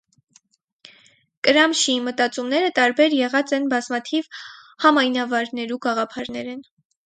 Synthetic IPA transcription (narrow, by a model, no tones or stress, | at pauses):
kəɾɑmʃimət̪ɑt͡sumnɛɾət̪ɑɾbɛɾjɛʁɑt͡sɛnbɑzmɑt̪ʰiv | hɑmɑjnɑvɑɾnɛɾuɡɑʁɑpʰɑɾn̪ɛɾɛn